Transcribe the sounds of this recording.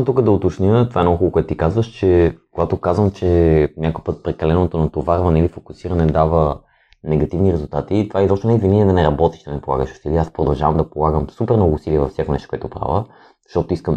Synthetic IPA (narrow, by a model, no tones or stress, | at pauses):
t̪ukəd̪ɐot̪ot͡ʃnʲət̪ovaɛnoɡoxulˠokʊɛt̪ʊt̪ikazvəʃt͡ʃɛkoɡat̪okazvəmt͡ʃɛnʲakojpət̪̚pɾɛkɐlɛnot̪onɐt̪ovaɾvɐnɛilifokusiɾɐnɛd̪avə | nɛɡɐt̪ivniɾɛzulˠt̪at̪it̪ovaɛit̪ɔt͡ʃʃnonɛvvinɛnɛd̪ɐnɛɾɐbɔt̪i̥ʃd̪ɐnɛpolˠa̰ɡəʃʊ̥siliɛaspɾod̪ɐlˠʒavɐmd̪ɐpolˠaɡəmsupɛɾmnɔɡouːsiliɛvɐfsjakonɛ̰ʃt̪okʷoɔɛt̪opɾa̰və | ʃt̪ɔt̪oiskəm